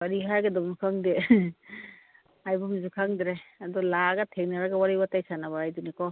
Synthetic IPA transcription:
baɾiɦajɡadɔbnukʰaŋde | ajbɔmzukʰaŋdiɾeadɔlaɡatʰeŋnaɾaɡawaɾibatajsanabaajdunikɔ

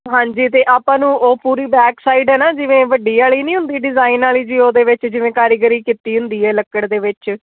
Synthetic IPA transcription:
ɦãːɲd͡ʒiːt̪eːʔaːpãːnũːʔoːpuːɾiːbɛːksaːiːɖɦɛːnaːd͡ʒɪʋẽːʋəɖiːaːɭiːnĩːɦʊ̃nd̪iːɖɪzaːinaːliːd͡ʒiːoːd̪eːʋɪt͡ʃd͡ʒɪʋẽːkaːɾiɡəɾiːkit̪iːɦʊ̃nd̪iːɛːləkːəɽd̪eːʋɪt͡ʃ

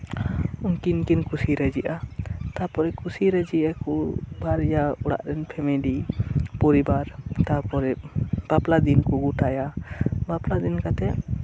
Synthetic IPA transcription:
unkinkinkusiɾɛd͡ʒiʔat̪apɔɾɛkʰusiɾɛd͡ʒiʔakubaɾjaɔɽa̰ʔɾɛnpʰɛmɛlipɔɾibaɾt̪apɔɾɛb̥aplad̪inkɔɡuʈajabaplad̪inkat̪ɛʔ

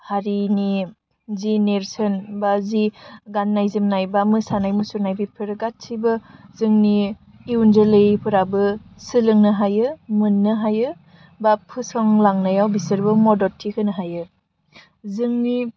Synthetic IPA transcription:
haɾini | zineɾsɯnbaziɡanːajzɯmnajbamɯsanajmusuɾnajbipʰɯɾɯɡat̚sʰibɯzɯŋni | iunzɯlɯjpʰɯɾabɯsɯlɯŋnɯɦajɯmɯnːɯɦajɯ | bapʰɯsɔŋlaŋnajawbisɯɾbɯmɔdɔtʰikʰɯnɯɦajɯ | zɯŋni

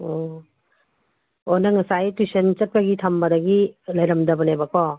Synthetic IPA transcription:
ɔ | onɐŋɐsajtusent͡ʃɐt̚pɐɡitʰambɐdɐɡilɐjɾɐmdɐbɐnajbɐkɔ

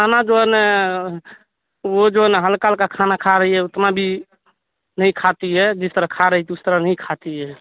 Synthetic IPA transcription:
anad͡ʒoəne | od͡ʒoəneɦəlkalkakʰanakʰaɾəɦiɛut̪mabʱi | nəj̃kʰat̪iɦɛd͡ʒist̪əɾəɦkʰaɾəɦit̪iust̪əɾənəĩkʰat̪iɦɛ

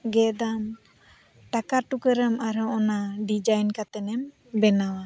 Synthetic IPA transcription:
ɡɛd̪an | ʈakaɾʈukəɾəmaɾɔɔnaɖid͡ʒajnkat̪ɛnɛm | bɛnawa

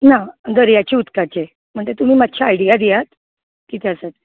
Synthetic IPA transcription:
nad̪əɾjat͡ɕiut̪kat͡ɕe | m̤əɳt̪et̪um̤iːmat̪ɕʰaːjɽijad̪ijat̪ | kit̪ʰeasat̪

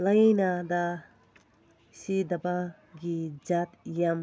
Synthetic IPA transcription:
lajnad̪a | sid̪aba | ɡid͡ʒat̪jam

